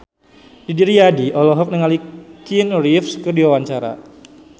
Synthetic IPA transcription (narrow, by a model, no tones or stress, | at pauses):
didiɾiadiʔɔlɔɦɔk̚nəŋalikinrifskərdiwawaɲt͡ʃaɾa̰